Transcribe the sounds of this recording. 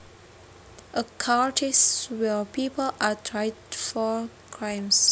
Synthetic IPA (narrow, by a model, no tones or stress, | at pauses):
ʔəkʰatʰiswɛpʰipʰəlʔatʰɹaɪdfɔ | kʰɹãɪ̃ms